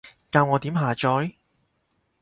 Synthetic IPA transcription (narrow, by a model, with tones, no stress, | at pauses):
kaː˧wŋɔː˨˧t̪iː˨˥mɦaː˨˩t͡ʃɔː˨˥j